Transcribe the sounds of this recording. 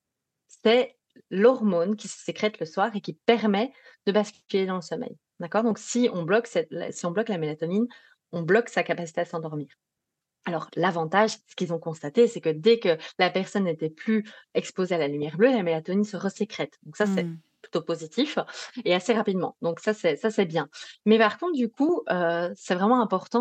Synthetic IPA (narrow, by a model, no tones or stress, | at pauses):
sɛ | lɔʁmonkʲisə̥sekχɛt̪ləswaʁekʲipɛʁmɛd̪̥əbaskʲyled̪ɑ̃ləsɔmɛ̰j | d̪akɔʁd̪ɔ̃ksiɔ̃blɔksɛt̪l̰siɔ̃blɔklamelat̪ɔnin | ɔ̃blɔksakapasi̥t̪eaəsɑ̃d̪ɔʁmiːʁ | alɔʁlavɑ̃t̪aʒsə̥kʲilzɔ̃kɔ̃st̪at̪esɛkəd̪ɛkəlapɛʁsɔnːet̪ɛplyɛkspozealalymjɛʁblølamelat̪ɔninsəʁəsəkχɛt̪d̪ɔ̃ksasɛ | ply̥t̪opozit̪ʰifeaseʁapid̪mɑ̰̃d̪ɔ̃ksasɛsasɛbjɛ̃mɛpaʁkɔ̃t̪χd̪ykuøsɛvʁɛmɑ̃ɛ̃pɔʁt̪ɑ̃